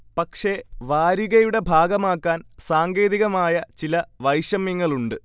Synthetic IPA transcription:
pɐkʂe̞ʋaːɾiɣɐjuɽe̞bʱaːɡɐmaːkːaːnsaːŋɡe̞ːðiɣɐmaːjɐt͡ɕilɐʋɐjʂɐmjiŋːɐɭuɳɖɨ

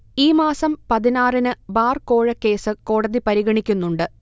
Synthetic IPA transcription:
iːmaːsɐmpɐðinaːrinɨbaːrko̞ːɻɐkːe̞ːsɨkoːɽɐðipɐɾiɣɐɳikʲːunːuɳɖɨ

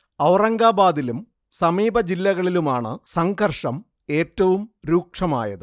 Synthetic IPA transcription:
ɐwrɐŋɡaːbaːðilum | sɐmiːbɐd͡ʑilːɐɣɐɭilumaːɳɨ̰sɐŋɡʱɐrʂɐm | e̞ːtːɐʋumɾuːkʂɐma̰ːjɐðɨ

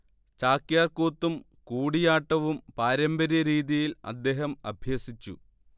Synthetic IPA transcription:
t͡ɕaːkjaːrkoːt̪ːum | kuːɽijaːʈːɐʋumpaːɾɐmbɐɾɐɾiːðijilɐ̰d̪ːe̞ːɦɐmɐ̰bʱjɐːsit͡ɕːṵ

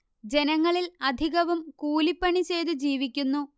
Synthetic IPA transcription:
d͡ʑe̞nɐŋːɐɭilɐd̪ʱiɣɐʋumkuːlipːɐɳit͡ɕe̞jd̪ud͡ʑiːʋikʲːunːu

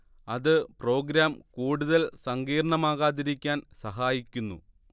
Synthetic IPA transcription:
ɐðɨpro̞ːɡɾaːmkuːɽuðɐlsɐŋɡiːɾɐɳɐmaːɣaːðiɾikʲːaːnsɐɦaːjikʲːunːṵ

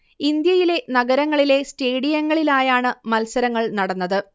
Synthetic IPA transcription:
ind̪jɐjile̞nɐɡɐɾɐŋːɐɭile̞steːɽijɐŋːɐɭilaːjaːɳɨmɐlsɐɾɐŋːɐɭnɐɽɐnːɐðɨ

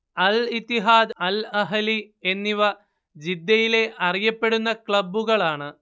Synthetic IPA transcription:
ɐlit̪ːiɦaːd̪ɐlɐɦɐli | enːiʋɐ | d͡ʑid̪ːɐjile̞ʔɐrijɐpːe̞ɽunːɐkɭɐbːuɣɐɭaːɳɨ

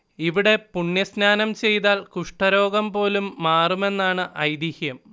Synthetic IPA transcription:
iʋiɽe̞puɳːjɐsnaːnɐmt͡ɕe̞jt̪aːlkuʂʈɐɾo̞ːɡɐmpo̞ːlumːaːrume̞nːaːɳɨʔɐjd̪ihjɐm

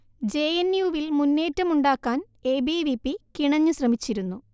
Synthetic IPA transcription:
d͡ʑe̞ːjenjuːʋilmunːe̞ːtːɐmuɳɖaːkːaːn | eːbiʋipːikiɳɐɲːuɕrɐmit͡ɕːiɾunːu

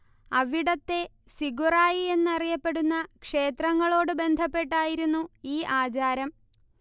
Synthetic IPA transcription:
ɐʋiɽɐt̪ːe̞ | siɡuraːjie̞nːɐrijɐpːe̞ɽunːɐkʂe̞ːt̪rɐŋːɐɭo̞ːɽɨbe̞nd̪ʱɐpːe̞ʈːaːjiɾunːuiːʔaːt͡ɕaːɾɐm

